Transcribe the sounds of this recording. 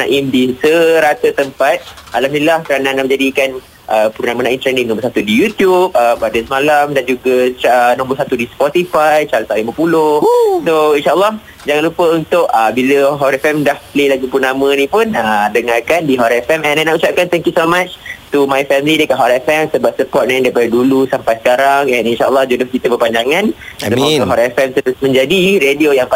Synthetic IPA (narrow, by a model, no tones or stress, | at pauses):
na̰ʔimdisəɾat̪ət̪əmpat̪̚ʔalamnilahkəɾananamə̃d͡ʒadikan | ʔəpuɾnamənãimt̪ɾɛndĩŋnɔ̃mbərsat̪udijut̪jup̚əpadəsmalamdand͡ʒuɡat͡ʃənɔ̃mbərsat̪udispɔt̪ifajt͡ʃaɾt̪aʔlimãpulʊsoinʃaʔəlːɑh | d͡ʒaŋanlupəunt̪ʊʔəbiləɦɔɾɛfɛmdahplelaɡipunamə̃nĩpʊnədəŋarkandiɦɔɾɛfɛmɛ̃nanaut͡ʃap̚kant̪ɛŋkjusomat͡ʃt̪umajfɛmilidəkaʔ̚ɦɔɾɛfɛmsəbap̚səpɔt̪̚nãdajpadədulusampajsə̥kaɾaŋɛninʃaʔəlːɑhd͡ʒudʊhkit̪əbərpaɲd͡ʒaŋãnssəmɔ̃ʔɦɔɾɛfɛmsəɾʊsmə̃ɲd͡ʒadiɾediojaŋp